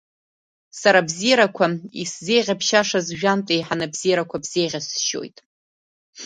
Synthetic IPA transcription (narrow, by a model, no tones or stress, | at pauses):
saɾabzijaɾakʷʰaisze̞jʁʲapʰʃaʂazʒᶣantʼejħanabzijɾakʷʰabz̥ejʁʲasʃo̰jtʼ